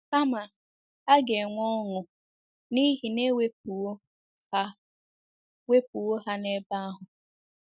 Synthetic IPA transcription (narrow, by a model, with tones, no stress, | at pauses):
ka˦ma˨ | a˦ɡe˨ŋʷɔ˦ŋʊ˨ | ni˦ɦi˨ne˦we˦p̚u˨o˦ | a˦ | we˦pu˨wo˦ɦa˦ne˦ba˦a˦ɦʊ˨